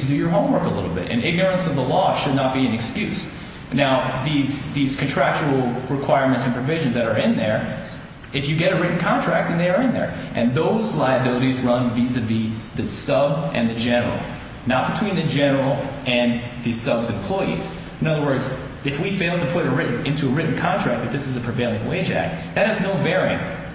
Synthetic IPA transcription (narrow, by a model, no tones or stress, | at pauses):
tʰɨdɨjə˞ɦõʊ̃mwɜ˞kəlɪ̰ɾl̩ˠbɪ̰ɾɨ̰̃nɪɡ̚nə˞ɨ̃nsʌvðəlɔʃɨdⁿnət̚b̥iɨ̃nɨkskjʉs | naʊðizðiz̥kʰɨ̃ntʰɹ̥æk̚t͡ʃul̩ˠɹɨkʰw̥aɪɹmɨ̃ntsn̩pʰɹ̥ɨvɪʒɨ̃nzðɨɾə˞ɪ̃nðə˞ | ɨfjɨɡɛɾɨɹɪʔn̩kʰɑ̃ntʰɹ̥æk̚t̪̚ɨ̃nðeɪə˞ɨ̃nðə̰˞ʔɨ̃nðoʊzlaɪɨbɪlˠəɾizɹʌ̃nvizɨviðɨsʌbʔɨ̰̃nðɨd͡ʒɛnə̰˞l̩ˠ | nət̚b̥ɨtʰw̥ĩnðɨd͡ʒɛnə˞l̩ˠɨ̃nðɨsʌbzɨ̃mpʰl̥ɔɪḭz̥ | ɨ̃nʌðə˞wɜ˞dz | ɨfwifeɪlˠtʰɨpʰʊɾɨɹɪʔn̩ɪ̃ntʰʉəɹɪʔn̩kʰɑ̃ntʰɹ̥æk̚ɨt̪̚ðɪsɨzɨpʰɹ̥ɨveɪlˠɪ̃ŋweɪd͡ʒæ̰k̚ðɨt̚hɨznoʊvɛɹiɨ̰̃n